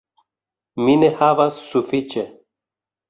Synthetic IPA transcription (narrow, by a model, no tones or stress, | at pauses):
minehavasːufit͡ʃɛ